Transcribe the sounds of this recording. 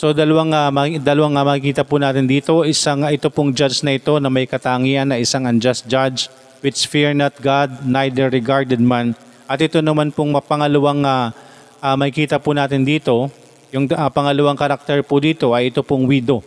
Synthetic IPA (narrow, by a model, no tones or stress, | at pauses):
so̞d̪ɐlɐwaŋamɐd̪ɐlɐwaŋamɐkɪkiːt̪ɐpʊnaːt̪ɪnd̪iːt̪o̞ʔɪsaŋʔɪt̪opʊŋd͡ʒad͡ʒnɐʔɪt̪o̞nɐmɐjkɐt̪aːŋiːʔɐnːɐʔɪsaŋɐnd͡ʒast̪̚d͡ʒad͡ʒ | wɪt͡ʃsfɪɹnɐt̪̚ɡad̪̚najd̪ɛɹːɪɡaɹd̪ɛd̪̚man | ʔɐt̪ʔɪt̪o̞nɐmanpʊŋmɐpɐŋɐlɐwaŋa | ʔamɐkɪkiːt̪ɐpʊnaːt̪ɪnd̪iːt̪o̞ | jʊŋapɐŋɐlɐwaŋkɐɾak̚t̪ɛɹpʊd̪iːt̪o̞ʔɐjʔɪt̪o̞pʊŋwiːd̪o̞